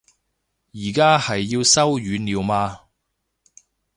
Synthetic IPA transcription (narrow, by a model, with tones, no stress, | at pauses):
jiː˨˩kaː˥hɐ˨jːiː˧wsɐ˥wjyː˨˧niː˨˧wmaː˧